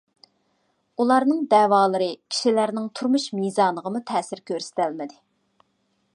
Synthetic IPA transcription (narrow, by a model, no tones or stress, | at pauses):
ulˠɑɾnɨŋd̪ɛːwɑːlˠəɾɨkʲʰi̥ʃilæɾnɪŋt̪ʰuɾmuʃmizɑːnˠəʁəmut̪ʰɛːsɪɾkʲʰøɾsɪ̥t̪ɪlmɪd̪ɪ